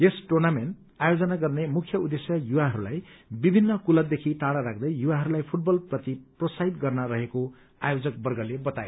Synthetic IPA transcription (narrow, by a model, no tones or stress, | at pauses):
esʈornamen | ajod͡zʌnaɡʌrnemukʰːjʌud̪esjʌjuwaɦʌɾulajbibʱinːʌkulʌd̪ekʰiʈaɽaɾak̚ʰd̪ʌjjuwaɦʌɾulajpʰuʈ̚bʌlprʌt̪iprosajd̪ɡʌrnʌɾʌɦeko | ajod͡zʌk̚bʌrɡʌlebʌt̪aje